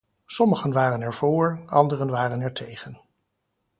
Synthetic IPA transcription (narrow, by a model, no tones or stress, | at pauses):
sɔməχənʋaːrənɛɹv̥ʊːɹɑndərənʋaːrənɛɹtʰejχən